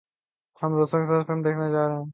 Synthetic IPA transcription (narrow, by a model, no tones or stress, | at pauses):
hɐmɾoːsõkesaːdfɪlmd̪eːkʰned͡ʒaːɾeɦɛ̃ː